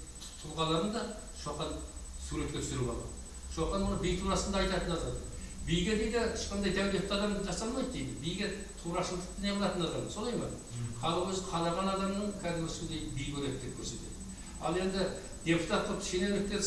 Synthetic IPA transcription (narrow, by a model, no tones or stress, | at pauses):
t̪ʰʊlˠʁɑlˠɑɾənd̪ɑ | ʃoqɑnsuɾe̞t̪kʲe̞t̪ʰʏsɪɾɪbɑ̰lˠɑ̰d̪ | ʃo̞qɑnwonəbijt̪ʰuɾɑsənd̪ɑɑjt̪ɑt̪ənɑzʁɑm | bijɡʲeb̪ejd̪ɪɪ̥ʃqɑnd̪ɑjd̪ʰæwlet̪t̪ɑd̪ɑmʒɑsɑlˠmɑjd̪d̪ejd̪ɪbijɡʲe | t̪ʰuɾɑʃəlˠd̪əq̚t̪ɪneɑlˠɑt̪ənɑzʁɑmso̞lˠɑjmɑ̰n | χʰɑlˠəʁwɵzɪqʰɑlˠɑʁɑnɑd̪ɑmnəɴkʲʰæd̪ɪmɪsʏnd̪ejɪbijbʰʲɵɾet̪̚d̪e̞p̚kʲʰɵɾse̞t̪e̞̰d̪ɪ | ɑ̰lˠe̞nd̪ɪ | d̪̥ʲe̞put̪ɑt̪ːə̥ʃene̞nɪk̚t̪e̞ɾ